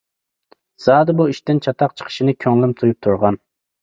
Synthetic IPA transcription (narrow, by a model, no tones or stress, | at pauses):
z̥ɑːd̪ɨbuiʃt̪ɪnt͡ʃʰɑt̪ʰɑq̚t͡ʃʰə̥qʰə̥ʃɪnɪkʲʰøŋlˠɪmt̪ʰujup̚t̪ʰuɾʁɑn